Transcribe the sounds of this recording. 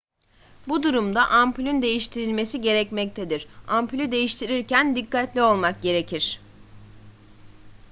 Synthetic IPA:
bud̪uɾumd̪aʔamplʲynd̪e̞jiʃt̪ʰiɾilʲme̞siɟe̞ɾɛcmɛc̚t̪ʰed̪iɾ̥amplʲyd̪e̞jiʃt̪ʰiɾiɾcænd̪ikːat̪lʲio̞lˠmak̚ɟe̞ɾe̞cʰiɾ̝̥

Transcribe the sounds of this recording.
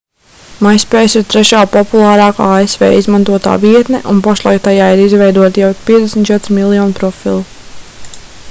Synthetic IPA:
majspɛːjsiɾt̪ɾɛʃaːpɔpulˠɑːɾɑːkaesvɛ̰ːizmãnt̪uɔt̪a̰ːviɛt̪nɛʔunpaʃlˠajk̚t̪ajaːiɾizvɛjd̪uɔt̪jɛwpʲiɛt̪d̪esmt̪t͡ʃɛt̪ɾimilˠjɔːnpɾɔfilˠu

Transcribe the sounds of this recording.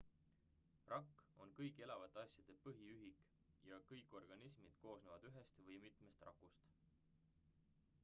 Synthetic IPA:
rʔɑkːo̞nkɤjkːˑe̞lɑvɑt̪ːˑeɑsjɑd̪̥e̞pɤɦiyɦik | jɑkɤjkːˑo̞rɡ̥ɑnismid̪̥ko̞ːsnevɑd̪̥yɦe̞st̪vɤjmit̪ˑme̞st̪rʔɑ̰kːust̪

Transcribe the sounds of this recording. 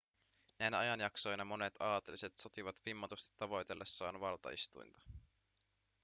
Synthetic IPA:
næjnæɑjɑnjɑkso̞jnɑmo̞ne̞t̪ɑːt̪eliset̪so̞t̪iʋɑt̪ʋimːɑt̪ust̪i̥t̪ːɑʋo̞jt̪e̞lːe̞sːɑːnʋɑlt̪ɑ̰ḭst̪ṵjnt̪ɑ̥

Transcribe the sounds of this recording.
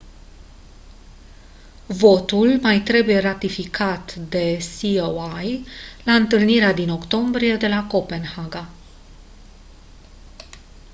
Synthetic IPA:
vo̞t̪ulmajt̪ɾe̞buje̞ɾat̪ifikʰat̪d̪e̞siowajlaɨnt̪ɨlniɾead̪ino̞kt̪o̞mbɾije̞d̪e̞lako̞pe̞nhaɡa

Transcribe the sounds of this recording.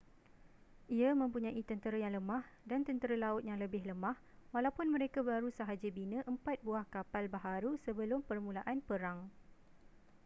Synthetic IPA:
ʔiamə̃mpuɲãʔit̪ənt̪əɾajaŋləmãhdant̪ənt̪əɾalaʊt̪̚jaŋləbɪhləmãhwalawpʊnmə̃ɾekabaɾusaɦad͡ʒabinə̃ʔəmpat̪̚buahkapalbaɦaɾusəbəlʊmpərmũlaʔanpəɾaŋ

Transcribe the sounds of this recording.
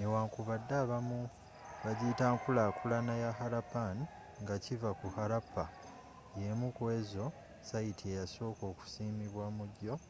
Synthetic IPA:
newaːŋkuβadːaβamu | βaɟitaːŋkulakulanajaxaɾapani | ŋɡacivakuhaɾapa | je̞mukwe̞ːzo̞ | sajitʰiejaso̞ːko̞ːku̥siːmiβwamuɟo̞

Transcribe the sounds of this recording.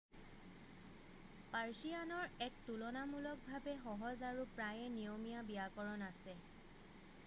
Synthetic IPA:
paɹsianɔɹɛk̚tulɔnamulɔk̚bʱabɛxɔɦɔzaɹupɹajɛnijomijabijakɔɹɔnasɛ

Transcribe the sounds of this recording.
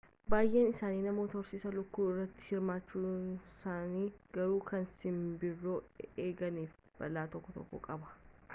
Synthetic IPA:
baːjʔe̞ːnɪsaːniːnɐmo̞ːt̪ɐɾsɪsɐlʊkːuːɪrːɐt̪ːɪ̥hɪɾmaːt͡ʃːuːsaːniːɡ̥ɐɾuːkʰɐnsɪmbɪrːo̞ːeːɡɐniːf | b̥ɐlːaːt̪ɔkːɔt̪ɔ̰kːɔ̰kʼɐbɐ̥

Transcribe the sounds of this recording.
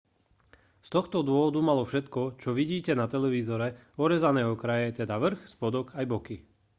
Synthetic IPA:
st̪ɔxt̪ɔd̪ʊɔʋɔd̪umalɔfʃɛt̪kɔt͡ʃɔʋiɟiːcɛnat̪ɛlɛʋiːzɔɾɛ | ɔɾɛzanɛːɦɔkɾajɛt̪ɛd̪aʋr̩xspɔd̪ɔkajbɔki

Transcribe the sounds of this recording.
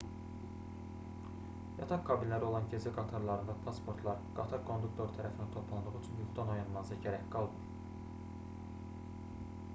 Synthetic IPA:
jɑt̪ʰɑqkʰɑbilʲlæɾio̞lˠɑncʰezæɡɑt̪ʰɑɾlˠɑɾɯnd̪ɑpʰɑspʰo̞ɾt̪ʰlˠɑɾɡ̥ɑt̪ʰɑɾkʰo̞nd̪uk̚t̪ʰo̞ɾt̪ʰæɾʔæfinænt̪ʰo̞pʰlˠɑnd̪uʁyt͡ʃʰynjuχd̪ɑno̞jɑnmɑzɑɟæɾæçɡɑlˠd̪ɯ

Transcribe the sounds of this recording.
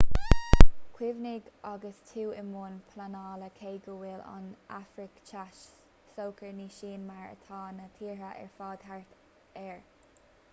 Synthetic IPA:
kʰwɪvnɪɡ | aɡəstʰuːɪmoːnpʰlanɑːləkʰeːɡuwɪla̰nafɾɪkt͡ʃʰaʃ | soːkʰəɹniːʃiːnmaɹə̰t̪ʰɑːnət̪ʰiːɹəʔɛ̰ɹfɑːd̪̥haɹt̪ | ɛɹ

